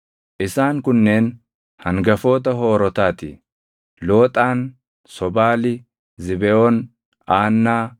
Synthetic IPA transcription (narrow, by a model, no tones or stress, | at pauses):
ʔɪsaːŋkʊnːe̞ːn | hɐŋɡɐfo̞ːt̪̬ɐɦo̞ːɾɔt̪aːt̪ɪ̰ | lo̞ːt̪ʼaːn | sɔbaːlɪ | zɪbɛon | aːnːaː